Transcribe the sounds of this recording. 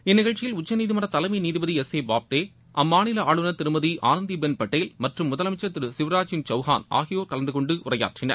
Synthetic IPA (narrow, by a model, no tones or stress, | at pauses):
ɪnːɪɣɐɭt͡ʃːɪjɪlʊt͡ʃːɐniːðɪmɐrɐt̪ɐlɐminiːðɪbɐðiɛseːbaːp̚t̪eː | ʔɐmːaːnɪlɐaːɭɯʋnɐt̪ɪɾɯmɐðiʔa̰ːnɐnd̪ibɛnpɐʈːɐjɪlmɐʈrɯmːʊðɐlɐmɪt͡ʃːɐt̪ːɪɾɯsɪʋɪɾaːt͡ʃɪnt͡ʃɐʊɦa̰ːna̰ːɣɪjoːɾkɐɭɐnd̪ɯkɔɳɖɯʔʊrɐja̰ːʈrɪnɐ̰ɾ